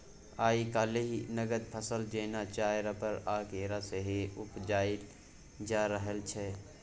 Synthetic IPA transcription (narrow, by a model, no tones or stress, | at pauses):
aːikaːleɦnəɡəd̪̚pʰəsəld͡ʒeːnat͡ʃaːjɾapəɾaːkeːɾaseɦeʊpd͡ʒaːɪ | d͡ʒaːɾəɦəlt͡ʃʰɛ